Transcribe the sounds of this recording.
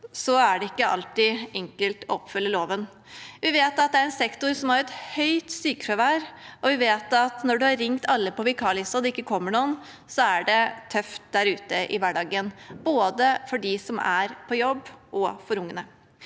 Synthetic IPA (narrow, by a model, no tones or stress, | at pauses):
sɔæɖɛɪkːəɑ̰lt̪ɪɛŋkəlt̪ɔɔpːfʏlːəloːʋən | ʋɪʋeːt̪ɑt̪̚d̪ɛæɾɛnsɛkt̪ʊɾsɔmhɑɾɛt̪hœʏt̪syːkəfæʋæːɾʔɔʋɪʋeːt̪ɑt̪nɔɖʉhɑɾɪŋt̪ʰɑlːəpɔʋɪkʰɑːlɪsɑd̪ɛɪkːəkʰɔmːəɳuːən | sɔæɖɛt̪ʰœft̪̚d̪æɾʉːt̪əʔɪ̰ʋæɖɑːɡənboːd̪əfɔɖɪsɔmæɾpʰɔjɔbːʔɔfɔɾʊŋːənə